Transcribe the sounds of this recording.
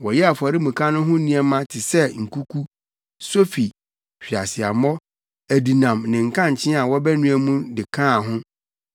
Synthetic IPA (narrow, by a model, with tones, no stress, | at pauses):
wɔ˨jɛ˦a˨fa˨ɾɪ˦mũ˨kʰã˦nʊ̃˦ɦʊ̃˦nĩ˦ɛ˦mã˦tʰɪ˨sɛ˦ŋ̩˨kʰu˦kʰu˦ | so˦fi˨ | ɕᶣi˨a˨sɪ˨a˨mɔ˦ | æ˨di˨nã˨mnɪ̃˨ŋ̩˨kʰã˦˨ɲ̩˨t͡ɕʰɪ̃˦a˨wɔ˦bɛ˦nũ˦æ˦mũ˦dɪ˨kʰã˦˨ɦʊ̃˦